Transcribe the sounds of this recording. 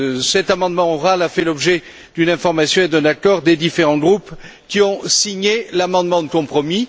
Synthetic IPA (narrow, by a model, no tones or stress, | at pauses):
sɛt̪amɑ̃d̪mɑ̃ɔʁalafɛlɔbʒe | d̪̥ynɛ̃fɔʁmasjɔ̃ed̪ɛ̃nakɔʁd̪ed̪ifeʁɑ̃ɡʁupkʲiɔ̃siɲelamɑ̃d̪mɑ̃d̪əkɔ̃pχɔmi